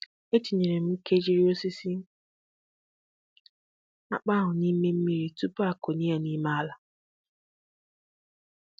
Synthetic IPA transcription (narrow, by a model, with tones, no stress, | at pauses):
e˦t͡ʃi˨ɲe˨ɾe˨m̩˦ke˦d͡ʒi˦ɾi˦o˦si˦si˦ | a̰˦k͡pa˦ɦʊ˨ni˦me˦m̩˦mi˦ɾi˨tu˦pa˦ko˨ni˦a˦ni˦ma˦a˦la˨